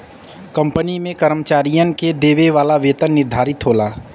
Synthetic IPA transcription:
kə̃mpənimẽkəɾəmət͡ʃaːɾijənked̪eːʋeʋaːlaʋeːt̪ənːɪɾd̪ʱaːɾɪt̪ɦoːlaː

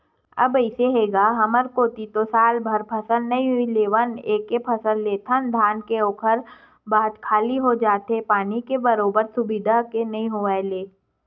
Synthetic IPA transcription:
ɐbəɪseɦeːɡaɦɐməɾkoːt̪it̪osaːlbʱɐɾpʰəsəlnɐɦĩɦʊileːʋəneːkepʰəsəlːeːt̪ʰənd̪ʱaːnkeoːkʰəɾ | baːɦd̪kʰaːliɦod͡ʒaːt̪epaːnikebəɾoːbəɾsʊbɪd̪ʱakenɐɦĩɦoʋaeleː

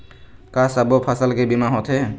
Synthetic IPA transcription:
kasabɔpʰasalkɛbimaɦɔt̪ʰɛ

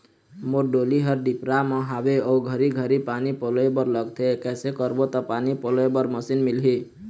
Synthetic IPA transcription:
moɾɖoliɦəɾɖipɾaməɦabeouɡʱəɾiɡʱəɾipanipɔlebəɾləɡt̪ʰekɛsekəɾbot̪ɔpanipolebəɾməsinmilɦi

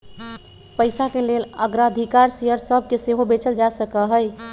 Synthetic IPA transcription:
pəɪsakeleləɡɾaəd̪ʱikaɾsejəɾsəb̚ʱkeseɦobet͡ʃəld͡ʒasəkəɦəj

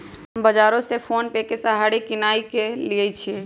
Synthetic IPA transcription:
ɦəmbəd͡ʒaɾõsepʰonpekesəɦaɽikinaikeliɛt͡ʃʰie

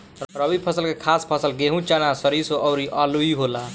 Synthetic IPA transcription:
ɾəbipʰəsəlkekʰaspʰəsəlɡeɦũt͡ʃanasəɾisoʔɔʊɾiʔaluiɦola

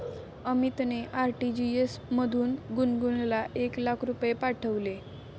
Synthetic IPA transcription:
əmit̪neʔaɾʈid͡ʑiesməd̪ʱuːnɡunɡunlaʔeklakʰɾupjepaʈʰəʋle

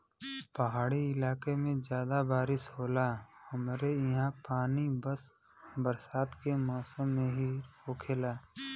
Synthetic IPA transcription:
pəɦaːɽiɪlaːkemẽd͡ʒjaːd̪abaːɾɪsɦoːlahəmɾejɦãpaːnibəs | bəɾsaːt̪kemɔːsəmːẽɦioːkʰeːlaː

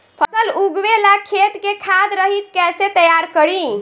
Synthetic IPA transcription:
pʰəsəluɡwelakʰet̪kekʰad̪ɾəɦit̪̚kɛset̪əjaɾkəɾi

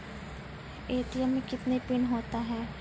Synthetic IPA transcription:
eːt̪ɪjəmẽkɪt̪nepɪnɦoːt̪aɦɛː

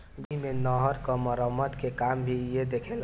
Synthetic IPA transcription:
bimenɔɦəɾkəməɾəmːəd̪kekambʱijed̪ekʰel

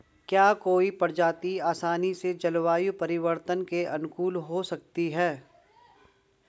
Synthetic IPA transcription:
kjaːkoːipɐɾd͡ʒaːt̪iaːsaːnised͡ʒɐlʋaːjupɐɾɪʋəɾt̪ənkeʔɐnʊkuːlɦosɐk̚t̪iɦɛː

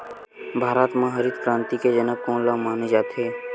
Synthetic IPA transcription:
bʱaːɾaːt̪mãɦəɾid̪pɾãːnt̪iked͡ʒənəb̚kõːnlaːmaːned͡ʒaːt̪ɦeː

